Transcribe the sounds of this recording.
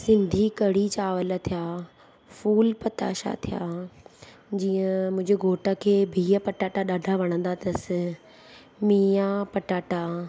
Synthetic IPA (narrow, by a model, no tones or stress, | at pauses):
sɪ̃nd̪ʱikɐɽ̤it͡ɕaːʋələt̪ʰijaː | fuːlpɐt̪a̰ːʃa̰t̪ʰija̰ː | d͡ʑiːə̃mʊ̃ɦɪ̃d͡ʑeɡʱoːʈəkʰeːbʱiːəpɐʈaːʈaɗaːɖʱaʋɐɽ̃ə̃n̆d̪at̪ɐsɪ | miːapɐʈaːʈa